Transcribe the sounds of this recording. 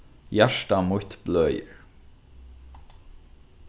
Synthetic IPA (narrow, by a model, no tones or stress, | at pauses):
jæʂtamʊht̪blœːjə̰ɹ